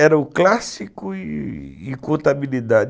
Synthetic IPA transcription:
ɛɾɐʊklasikʊiɪkõnt̪abilid̪ad͡ʒ

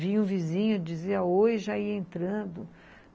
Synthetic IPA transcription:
vĩɲũvizĩɲʊd͡ʒiziɐojʒaiɐẽnt̪ɾɐ̃nd̪ʊ

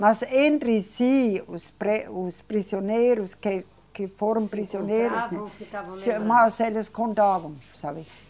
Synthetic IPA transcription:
masend̪risiːuspreusprisjoneːɾuske | kiformprisjoneːɾusnismɑseleskʰond̪ɑːʋonsɑʋi

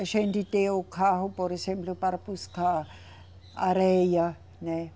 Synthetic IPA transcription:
ʃenditʼeokʰaɦʊpɔɾɛsɛmplʊpaɾpuskʰa | aɾɛːja | nɛ

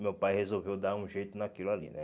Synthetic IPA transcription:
mewpajhezolvewd̪aɾũʒejt̪ʊnakilʊalḭnɛ

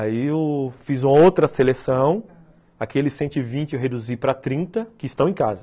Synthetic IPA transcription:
aiefizũmɐowt̪ɾɐselesɐ̃w̃ | akelɪsːẽnt̪ʊɪvĩt͡ʃɪɦed̪uzipɾɐt̪ɾĩnt̪ɐkɪɪst̪ɐ̃w̃ẽka̰zɐ

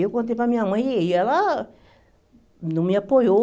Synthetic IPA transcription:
okõt̪̬epamĩãmãeala | nũmĩapojo

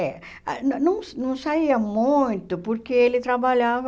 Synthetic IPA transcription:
ɛ | nnɐ̃w̃nɐ̃w̃saiɐmũj̃t̪ʊpoɾkeelɪt̪ɾabaʎavɐ

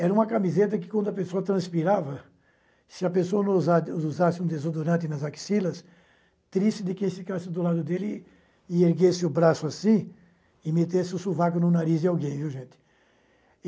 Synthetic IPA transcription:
ɛɾɐũmɐkamizet̪ɐkɪkwɐ̃nd̪ʊɐpesoɐt̪ɾɐ̃spiɾavɐ | sɪɐpesoɐnõzazuzasɪũd̪ezod̪oɾɐ̃nt̪̬ɪnɐzaki̥silɐs | t̪ɾiʃt͡ʃɪd̪ɪkẽj̃fikasɪd̪ʊlad̪ʊd̪elɪ | ɪeɾɡesɪʊbɾasʊasĩ | ɪmet̪esɪʊsuvak̬ʊnʊ̃naɾizd̪ɪawɡẽj̃viwʒẽnt̪ɪ̥

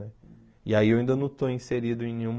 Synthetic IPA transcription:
ɛ | iaiewaĩnd̪ɐnɐ̃w̃t̪oĩseɾid̪ʊẽj̃nẽɲũm

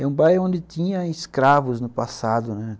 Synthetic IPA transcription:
ɛũbajõnd̪ɪt̪ĩɲɐɪskɾavʊznʊpasad̪ʊnɛ

